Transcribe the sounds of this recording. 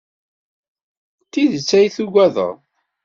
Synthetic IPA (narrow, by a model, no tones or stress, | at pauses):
t̪ːiðət͡sːæjθuɡʷæðə̰ʁ